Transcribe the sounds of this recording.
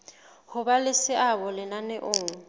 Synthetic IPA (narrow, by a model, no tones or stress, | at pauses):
hʊbalɪsɪʔabɔlɪnanɛʔʊːŋ̩